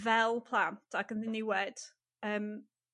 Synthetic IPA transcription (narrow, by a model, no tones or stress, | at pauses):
vɛlˠpʰl̥ˠantʰaɡənðɪniwɛd̥ | əːm